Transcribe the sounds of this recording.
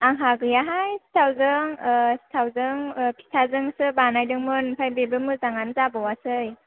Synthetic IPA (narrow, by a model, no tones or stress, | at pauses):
aŋɦaɡɯjaɦajsi̥tʰawzɯŋsi̥tʰawzɯŋpʰi̥sʰazɯŋsɯbanajdɯŋmɯnpʰajbebɯmɯzaŋanzabɯwasɯj